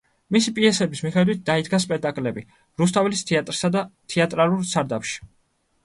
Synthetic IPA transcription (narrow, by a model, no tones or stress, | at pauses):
misipʼiɛsɛbismiχɛd̪wit̪̚ʰd̪aid̪ɡaspʼɛk̚t̪ʼakʼlɛbi | ɾus̬t̪ʰavɛlist̪ʰɛat̪ʼɾsad̪at̪ʰɛat̪ʼɾalˠuɾsaɾd̪apʃi̥